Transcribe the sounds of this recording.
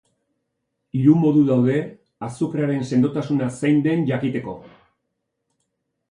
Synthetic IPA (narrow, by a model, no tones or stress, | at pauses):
iɾumo̞ðuðawðe̞ | asukɾaɾe̞nse̞nd̪o̞t̪asunasajnd̪e̞nʝakit̪e̞ko̞̰